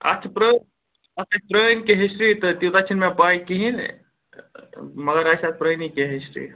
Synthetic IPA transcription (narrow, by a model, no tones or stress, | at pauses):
ɐ̰t͡ʃʰapɾə | əəpɾənkeɦisɾit̪ɔt̪jut̪at͡ʃʰinmepajkiɦin | məɡəɾajsat̪̚ʰpɾənikeɦisɾḭ